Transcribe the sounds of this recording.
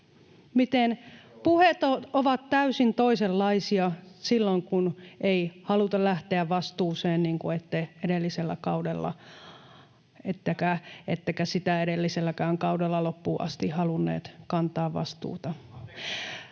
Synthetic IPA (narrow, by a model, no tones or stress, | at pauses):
mit̪enpuhet̪ooʋɑt̪t̪æysint̪oiselːɑisiɑsilːoŋkunʔeihɑlut̪ɑlæht̪eæʋʋɑst̪uːseːnniːŋkuet̪ːeeɾelːiselːæ̰kɑudelːɑ̰ | et̪ːækæet̪ːækæsit̪æeɾelːiselːækæːŋkɑudelːɑlopːuːʔɑ̰st̪ihhɑlunːḛːt̪kɑnt̪ɑːʋʋɑ̰st̪ṵːt̪ɑ